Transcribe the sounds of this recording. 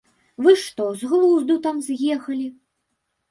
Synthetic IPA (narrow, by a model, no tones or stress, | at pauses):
vɨʂt̪ɔzɣlˠuzd̪ut̪amzjɛxɐlʲi